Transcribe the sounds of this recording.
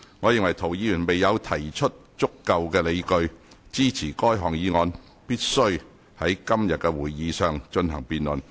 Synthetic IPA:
ŋɔː˨˧jɪ˨˧ŋwɐ˨˩jt̪ʰo˨˩wjiː˧jyː˨˩nme˨jːɐ˨˧wt̪ʰɐ˨˩jt͡ʃʰɵ˥t̚ | t͡sʊ˥kːɐ˨˧wkɛː˧le˨˧jkɵ˧ɥ | t͡siː˥t͡sʰiː˨˩kɔː˥jɦɔː˨˩ŋjiː˨˧ŋɔː˨˧n | piː˥t̚sɵ˥ɥ | hɐ˨˥jkɐ˥mjɐ˨t̚kɛ˧wuː˨˩jːiː˨˧sœː˨ŋt͡ʃɵ˧nɦɐ˨˩ŋpiː˧nlɵ˨˩n

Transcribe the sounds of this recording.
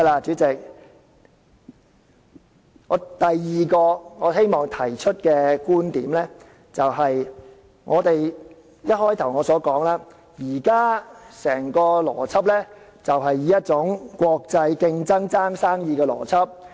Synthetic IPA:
jlaː˧t͡ʃyː˨˥t͡sɪ˨k̚ | ŋɔː˨˧t̪ɐ˨jːiː˨kɔː˧ŋɔː˨˧he˥jmɔː˨ŋt̪ʰɐ˨˩jt͡ʃʰɵ˥t̚kɛː˧kuː˥nt̪iː˨˥mlɛː˥ | t͡sɐ˨wɦɐ˨j | ŋʔɔː˨˧t̪e˨j | jɐ˥t̚hɔː˥jt̪ʰɐ˨˩wŋɔː˨˧sɔː˨˥kɔː˨˥ŋlaː˥ | jiː˨˩kaː˥sɛː˨˩ŋkɔː˧lɔ̰ː˨˩t͡sʰɐ˥p̚lɛː˥ | t͡sɐ˨wɦɐ˨jːiː˨˥jɐ˥t̚t͡sʊ˨˥ŋkʷɔː˧k̚t͡sɐ˧jkɪ˧ŋt͡sɐ˥ŋt͡saː˥ŋsaː˥ŋjiː˧kɛː˧lɔ̰ː˨˩t͡sʰɐ˥p̚

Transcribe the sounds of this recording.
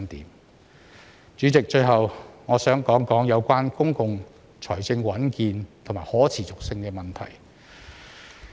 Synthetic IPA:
nt̪ḭː˨˥m | t͡ʃyː˨˥t͡sɪ˨k̚t͡ʃɵ˧ɥɦɐ˨wŋɔː˨˧sœː˨˥ŋkɔː˨˥ŋkɔː˨˥ŋjɐ˨˧wkʷaː˥nkʊ˥ŋkʊ˧ŋ | t͡ʃʰɔː˨˩jt͡sɪ˧ŋwɐ˨˥nkiː˧nt̪ʰʊ˨˩maː˨˩jhɔː˨˥t͡sʰiː˨˩t͡sʊ˨k̚sɪ˧ŋkɛː˧mɐ˨˩nt̪ʰɐ̰˨˩j

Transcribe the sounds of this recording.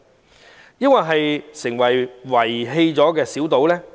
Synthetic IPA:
jɐ˥nwɐ˨jɦɐ˨jsɪ˨˩ŋwɐ˨˩jwɐ˨˩jɦe˧jt͡sɔː˨˥kɛː˧siː˨˥wt̪o˨˥wlɛː˥

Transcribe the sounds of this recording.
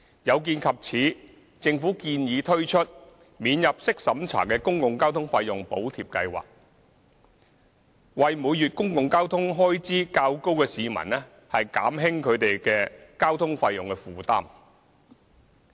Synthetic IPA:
jɐ˨˧wk̬iː˧nkʰɐ˨p̚t͡sʰiː˨˥ | t͡sɪ˧ŋfuː˨˥kiː˧njiː˨˧t̪ʰɵ˥ɥt͡ʃʰɵ˥t̚ | miː˨˧njɐ˨p̚sɪ˥k̚sɐ˨˥mt͡sʰa̰ː˨˩kɛ˧kʊ˥ŋkʊ˨ŋkaː˥wt̪ʰʊ˥ŋfaː˧jʊ˨˩ŋpo̰˨˥wt̪ʰiː˨p̚kɐ˧jwa̰ː˨˩k̚ | wɐ˨jmu˨˧jjyː˨t̚kʊ˥ŋkʊ˨ŋkaː˥wt̪ʰʊ˥ŋɦɔː˥jt͡siː˥kaː˧wko˥wkɛː˧siː˨˧mɐ̰˨˩nlɛ˥ | hɐ˨jka̰ː˨˥mɦɪ˥ŋkʰɵ˨˧t̪e˨jkɛː˧kaː˥wt̪ʰʊ˥ŋfaː˧jʊ˨ŋkɛ˧fuː˨t̪a̰ː˥m

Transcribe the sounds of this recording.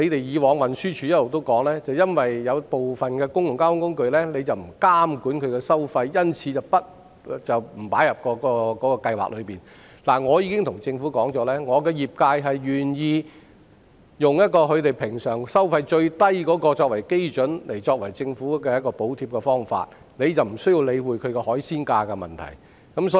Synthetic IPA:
le˨˧jt̪e˨jjiː˨˧wɔː˨˧ŋwɐ˨˩nsyː˥t͡ʃʰy˨˧jɐ˥tlo˨wt̪̬o˥wkɔː˨˥ŋlɛː˥t͡sɐ˨wjɐ˥nwɐ˨jjɐ˨˧wpo˨wfɐ˨nkɛː˧kʊ˥ŋjʊ˨˩ŋkaː˥ʊ˨˥ŋkʊ˥ŋkɵ˧ɥlɛː˥ne˨˧jt͡sɐ˨wm̩˨˩kaː˥mkuː˨˥nkʰɵ˨˧ɥkɛ˧sɐ˥wfɐ˧jːɐ˥nt͡sʰiː˨˧t͡sɐ˨˩wpɐ˥t̚ | t͡sɐ˨˩wm̩˨˩paː˨˥jɐ˨p̚kɔː˧kɔː˧kɔː˨˥kɔː˧kɐ˧jwa̰˨˩k̚lɵ˨˧ɥpiː˨n | laː˨˩ŋɔː˨˧jiː˨˧kɪ˥ŋt̪ʰʊ˨˩ŋt͡sɪ˧ŋfuː˨˥kɔː˨˥ŋt͡sɔː˨˧˥lɛː˥ŋɔː˨˧kɛː˧jiː˨p̚kaː˧jɦɐ˨jɥyː˨˩njiː˧ | jʊ˨ŋjɐ˥t̚kɔː˧kʰɵ˨˧ɥt̪e˨jpʰɪ˨˩ŋsœː˨˩ŋsɐ˥wfɐ˧jt͡ʃɵ˧ɥt̪ɐ˥jkɔː˨˥kɔː˧t͡ʃɔː˧k̚wɐ˨˩jke˥jt͡sɵ˨˥nle˨˩jt͡sɔː˧k̚wɐ˨˩jt͡sɪ˧ŋfuː˨˥kɛ˧jɐ˥t̚kɔː˧po˨˥wt̪ʰiː˧p̚kɛ˧fɔː˥ŋfa̰ː˧t̚ | ne˨˧jt͡sɐ˨wm̩˨˩sɵ˥ɥji˧wle˨˧jwuː˨˩jkʰɵ˨˧ɥkɛ˧hɔː˨˥jsiː˥nkaː˧kɛ˧mɐ̰˨˩nt̪ʰɐ̰˨˩j | kɐ˨˥msɔ˨˥

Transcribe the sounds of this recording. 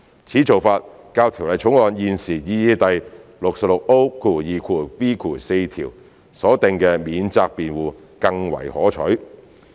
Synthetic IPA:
t͡sʰiː˨˥t͡so˨wfaː˧t̚ | kaː˧wt̪ʰi˨˩wlɐ˨jt͡ʃʰʊ˨˥ŋlɔː˨˧njiː˨nsiː˨˩jiː˨˧jiː˨˧t̪ɐ˨jlʊ˨k̚sɐ˨p̚lʊ˨k̚o˥wkʰuː˨˩jiː˨kʰuː˨˩piː˥kʰuː˨˩se˧jt̪ʰḭː˨˩w | sɔː˨˥t̪ɪ˨˧ŋkɛː˧miː˨˧nt͡saː˧k̚piː˨nwuː˨ | kɐ˧ŋwɐ̰˨˩jhɔ̰ː˨˥t͡ʃʰɵ˨˥ɥ

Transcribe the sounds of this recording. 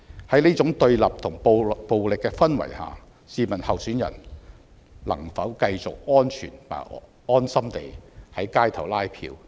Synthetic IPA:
hɐ˨˥jniː˥t͡sʊ˨˥ŋt̪ɵ˧ɥlɐ˨p̚t̪ʰʊ˨˩ŋppo˨wlɪ˨kːɛː˧fɐ˥nwɐ̰˨˩jha̰ː˨ | siː˨˧mɐ˨˩nhɐ˨wsyː˨˥njɐ̰˨˩n | lɐ̰˨˩ŋfɐ˨˥wkɐ˧jt͡sʊ˨k̚ɔː˥nt͡ʃʰy̰ː˨˩npa̰ː˨˩ | ɔː˥nsɐ˥mt̪e˨jhɐ˨˥jkaː˥jt̪ʰɐ˨˩wlaː˥jpʰḭː˧w

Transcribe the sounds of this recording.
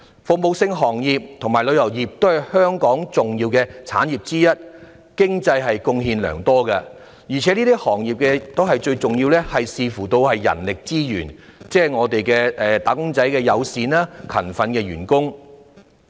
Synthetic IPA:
fʊ˨k̚mo˨˧wsɪ˧ŋɦɔː˨˩ŋjiː˨p̚t̪ʰŋmaː˨jlɵ˨˧ɥjɐ˨˩wjiː˨p̚t̪o˥whɐ˨˩jhœː˥ŋkɔː˨˥ŋt͡sʊ˨ŋjiː˧wkɛː˧t͡sʰa̰ː˨˥njiː˨p̚t͡siː˥jɐ˥t̚ | kɪ˥ŋt͡sɐ˧jɦɐ˨jkʊ˧ŋɦiː˧nlœ̰ː˨˩ŋt̪ɔː˥kɐ˧ | jiː˨˩t͡sʰɛː˨˥niː˥t̪iː˥hɔː˨˩ŋjiː˨p̚kɛ˧t̪o˥ɦɐ˨jt͡ʃɵ˧ɥt͡sʊ˨ŋji˧wlɛː˥hɐ˨jsiː˧fuː˨˩t̪o˧whɐ˨jːɐ̰˨˩nlɪ˨k̚t͡siː˥jy̰ː˨˩nt͡sɛː˥˩ŋɔː˨˧t̪e˨jkɛː˧ɛː˨t̪aː˨˧kʊ˥ŋt͡sɐ˨˥jkɛː˧jɐ˨˧wsiː˨˧naː˥kʰɐ̰˨˩nfɐ˨˧nkɛː˧ɥyː˨˩nkʊ˥ŋ

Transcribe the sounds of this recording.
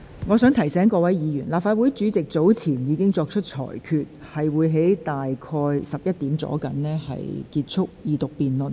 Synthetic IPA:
ŋɔː˨˧sœː˨˥ŋt̪ʰɐ˨˩jsɛː˨˥ŋkɔː˧wɐ˨˥jjiː˨˧jyː˨˩nlaː˨p̚faː˧t̚wuː˨˥jt͡syː˨˥t͡sɪ˨k̚t͡so˨˥wt͡sʰiː˨˩njiː˨˧˥kɪ˥ŋt͡sɔː˧k̚t͡ʃʰɵ˥t̚t͡ʃʰɔ̰ː˨˩jkʰyː˨t̚hɐ˨jwuː˨˧jɦe˨˥jt̪aː˨jkʰɔː˧jsɐ˨p̚jɐ˥t̚t̪iː˨˥mt͡sɔ̰ː˨˥kɐ˨˥nlɛː˥hɐ̰˨jkiː˧t̚t͡sʰʊ˥k̚jiː˨t̪ʊ˨k̚piː˨nlɵ˨˩n

